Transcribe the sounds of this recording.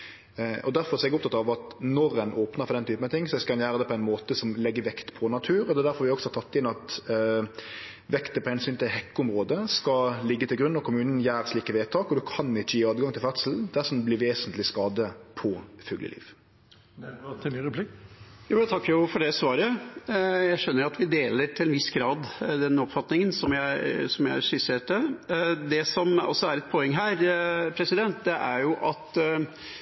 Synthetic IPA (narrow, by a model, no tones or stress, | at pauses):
ʔɔd̪æɾfɔɾsɔɛɡʊp̚t̪ɑt̪ɑʋɑt̪nɔɾɛnʔoːpnəʁfɔɾd̪ɛnt̪ʰyːpənɑt̪ʰɪŋːsɔɛskɑɛnjæːɾəd̪ɛpʰɔæɪnmoːt̪əsɔmlɛɡːəʋɛkt̪pʰɔnɑt̪ʰʉːɾɔd̪ɛːd̪æɾfɔɾʋɪɔksɔhɑt̪ʰɑt̪ːɪnɑt̪ | ʋɛkt̪əpɔhɛnsyːnt̪ʰɪlhɛkːʊʊmɾoːd̪əskɑlɪɡːət̪ʰɪɡɾʉnːɔkʰʊmʉːnn̩jæːɾsliːkəʋeːt̪ʰɑːkɔd̪ʉkʰɑnɪçːəjiːɑːd̪ɡɑŋt̪ʰɪlfæt̪səl̩d̪æsɔmblɪʋeːsənt̪lɪskɑːd̪əpʰɔfʉɡlə̰lʔḭːʋ | ɾɛpʰlɪkjuːjɛt̪ʰɑkːəɾjʊfɔɖɛsʋɑːɾə | jæɪʂœnːəɾɑt̪ʋɪd̪eːləɾʈ̪ʰɪlɛnʋɪsɡɾɑːd̪d̪ɛnːɔpfɑt̪nɪŋənsɔmjæɪsɔmjæɪʂɪseːʈəd̪ɛsɔmɔ̰sːɔæɾɛt̪̚pʰoːɛŋːɦæːɾpʰɾɛsɪd̪ɛnt̪̚d̪ɛʔæɾjʊʔɑt̪